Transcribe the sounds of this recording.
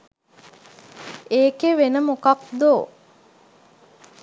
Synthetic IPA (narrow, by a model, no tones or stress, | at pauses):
eːkeʋenəmukakd̪oː